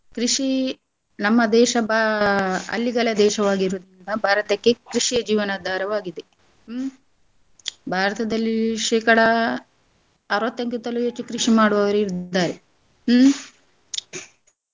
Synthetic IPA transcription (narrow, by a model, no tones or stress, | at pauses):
kɾiʂi | nɐmːɐd̪ɛːʃɐbʱa | ɐ̰lːiɡɐlɐd̪ɛːʃɐʋaːɡiɾud̪ɾind̪ɐbʱaːɾɐt̪ɐkːekɾiʂijɐd͡ʒiːʋɐnad̪ʱaːɾɐʋaːɡid̪e | bʱaːɾɐt̪ɐd̪ɐlːiʃɛːkɐɽɐ | ɐɾʋɐt̪ːɐŋkut̪ːɐluet͡ʃːukɾiʂimaːɽuʋɐʋɐɾiɾd̪aːɾe